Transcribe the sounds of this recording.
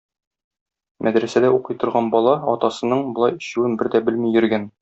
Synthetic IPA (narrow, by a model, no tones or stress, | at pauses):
mʔæd̪ɾæsæd̪æuqɤjt̪ŏɾʁɑnbɒlˠɑɒt̪ɑsɤ̆nɤɴbŏlˠɑjɘ̆ɕʉwɘnbɘɾd̪æbɘlmijɵ̆ɾɡæn